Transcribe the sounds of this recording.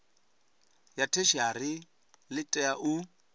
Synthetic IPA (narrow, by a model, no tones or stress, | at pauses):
jatʰeʃiarɪ | lɪtʼɛaʔu